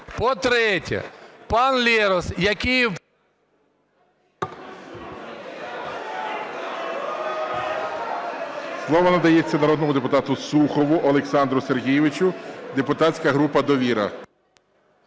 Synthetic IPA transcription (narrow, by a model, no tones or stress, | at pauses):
pɔt̪ɾɛtʲɐ̰pɑnlʲiɾɔsjɐkʲij | slˠɔʋɔnɐd̪ɐjet͡sʲːɐnɐɾɔd̪nɔmʊd̪epʊt̪ɑt̪ʊsuxɔʋʊʔɔlˠeksɑnd̪ɾʊserɦʲijɪʋɪt͡ʃʊd̪epʊt̪ɑt͡ssʲkɐɦɾupɐd̪ɔʋʲiɾɐ̰